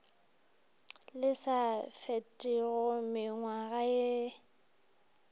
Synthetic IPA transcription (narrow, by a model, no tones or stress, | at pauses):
lɪsafɛtʼiɣɔmɪŋwaɣaje